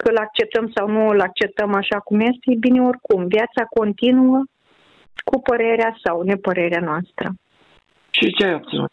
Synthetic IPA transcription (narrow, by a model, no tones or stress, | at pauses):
kəlak̚t͡ʃe̞p̚t̪əmsawnuɨlak̚t͡ʃe̞p̚t̪əmaʃakumje̞st̪ejebineo̞rkumvjat̪sako̞nt̪inuə | kupəɾe̞ɾeasawne̞pəɾe̞ɾeanoast̪ɾə̰ | ʃit͡ʃeajop̚t̪sinṵt̪